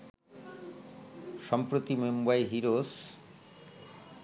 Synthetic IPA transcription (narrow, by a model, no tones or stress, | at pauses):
ʃɔmpɾot̪imembajɦiɾos